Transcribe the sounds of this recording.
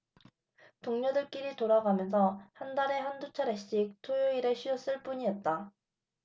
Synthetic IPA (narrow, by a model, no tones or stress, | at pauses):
toŋɲʌdɯɭk͈iɾitoɾaɡamjʌnsʰʌhandaɾe̞ɦandut͡ɕʰaɾeɕ͈ik̚tʰojoiɾeɕʰiʌs͈ɯɭp͈uɲiʌt̚t͈a